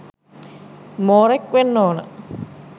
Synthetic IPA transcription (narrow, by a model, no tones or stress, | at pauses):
moːɾekʋenːoːnə̰